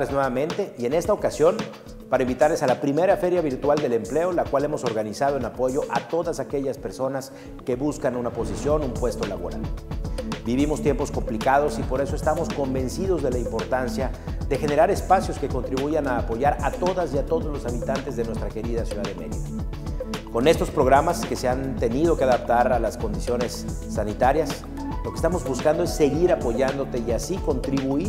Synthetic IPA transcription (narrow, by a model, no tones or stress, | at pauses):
eznwe̞βamẽ̞nt̪e̞ʔie̞ne̞st̪aokasjo̞n | paɾaimbit̪aɾle̞salapɾime̞ɾafe̞ɾjaβiɾt̪wald̪e̞le̞mple̞olakwale̞mo̞so̞ɾɣanisað̞o̞e̞napo̞ʝo̞ʔat̪o̞ðasake̞ʝaspe̞ɾso̞nas | ke̞βuskanunapo̞s̬isjo̞numpwe̞st̪o̞laβo̞̰ɾa̰l | biβimo̞st̪je̞mpo̞sko̞mplikað̞o̞sipo̞ɾe̞so̞e̞st̪amo̞sko̞mbe̞nsið̞o̞zðe̞laimpo̞ɾt̪ansjaðe̞xe̞ne̞ɾaɾe̞spasjo̞ske̞ko̞nt̪ɾiβuʝanaːpo̞ʝaɾat̪o̞ðasiat̪o̞ðo̞zlo̞saβit̪ant̪e̞zðe̞nwest̪ɾake̞ɾiðasjuðaðemeðiðo | ko̞ne̞st̪o̞spɾo̞ɣɾamaske̞se̞ant̪e̞nið̞o̞keaðap̚t̪aɾalasko̞nd̪isjo̞ne̞sː | anit̪aɾjas | lo̞ke̥st̪amo̞zβuskand̪oe̞sːe̞ɣiɾapo̞ʝand̪o̞t̪e̞iasiko̞nt̪ɾiβui